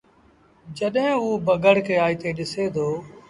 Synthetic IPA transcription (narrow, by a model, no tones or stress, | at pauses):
d͡ʒəɗɦɪ̃uːbəɡəɽ̤keːaːiːt̪eːɗɪseːd̪ʰʱoː